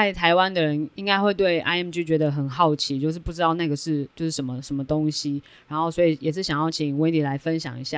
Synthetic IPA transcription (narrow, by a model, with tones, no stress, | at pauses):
a˥˩ɪt̪ʰa˧˥ɪwa˦nd̪ə˨ɻə˧˦ni˥ŋka˥ɪxwe˥˧ɪt̪we˥˩ɪʔa̰˧˥ɪɛ˥˩mt͡ɕy˥˩t͡ɕɥɛ˧˥d̪ə˨˧xə˨˩nxɑ˥˩ʊt͡ɕʰi˧˥t͡ɕjo˥˧ʂɻ̩˥˧pu˥˩ʈ͡ʂɻ̩˥t̪ɑ˥˧ʊna˥˩ɡə˩ʂɻ̩˥˩t͡ɕjo˥˧ʊʂɻ̩˥˩ʂə˧˦nmə˨ʂə˧˥nmə˧t̪o˦˥ŋɕi˦ | ɻa˧˦nxo˥˩ʊswɔ˧˥i˨˩jɛ˨˩ʂɻ̩˥˩ɕjɑ˨˩ŋjɑ˥˩ʊt͡ɕʰi˨˩ŋwt̪ʰi˨˥la˧˥ɪfə˦nɕjɑ̰˨˩ŋḭ˧˥ɕja˥˩